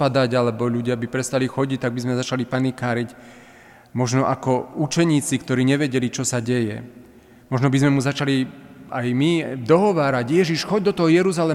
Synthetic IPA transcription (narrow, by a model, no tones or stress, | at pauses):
pad̪aɟalɛbɔʎuɟɪabipɾɛst̪alixɔɟic̚t̪aɡ̚bizmɛzat͡ʃalipanikaːɾic | mɔʒnɔʔakɔut͡ʃɛɲiːt͡sikt̪ɔɾiːɲɛʋɛɟɛlit͡ʃɔsaɟɛjɛ̰ | mɔʒnɔbizmɛmuzat͡ʃaliajmid̪ɔɦɔʋaːɾaɟjɛʒiʃxɔɟd̪ɔt̪ɔɦɔjɛɾuzalɛ